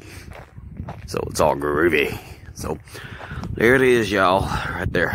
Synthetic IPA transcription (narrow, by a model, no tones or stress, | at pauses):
so̰ʊə̰tsɔ̰lˠɡə˞ʉbiso̰ʊ | lʔɛ̰ɾiɨzjaʊɹaɪt̪̚ðə˞